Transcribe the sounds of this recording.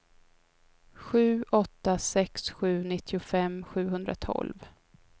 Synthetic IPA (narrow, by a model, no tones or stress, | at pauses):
ɧʉ̟ːʔɔt̪ːasɛksɧʉ̟ːnɪt̪ʰːɪʊfɛmːɧʉ̟ːɦɵnd̪ɾa̰t̪ʰɔ̰lv